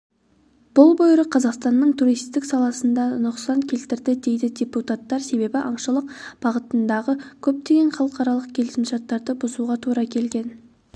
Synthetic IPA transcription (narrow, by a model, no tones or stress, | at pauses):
b̥ʊlˠbojɾəqʰɑzɑqst̪ɑnːəɴt̪ʰuɾijst̪ɪksɑlˠɑsənd̪ɑnʊqsɑŋkʲʰe̞lt̪ɪɾd̪ɪd̪e̞jd̪ɪd̪ʲeput̪at̪ːɑɾse̞be̞bɪʔɑɴʃəlˠəqb̥ɑʁət̪ənd̪ɑʁəkʲʰɵp̚t̪e̞ɡʲe̞nχɑlˠəqɑɾɑlˠəq̚kʲʰe̞lɪsɪmʒɑt̪ːɑɾd̪əbʊzuʁɑt̪ʰuɾɑkʲʰe̞lɡʲe̞n